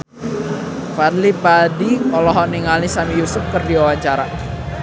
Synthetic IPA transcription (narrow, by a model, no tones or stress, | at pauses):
fadlipadiɔlɔɦɔʔniŋalnisamijusʊp̚kərdiwawaɲt͡ʃaɾa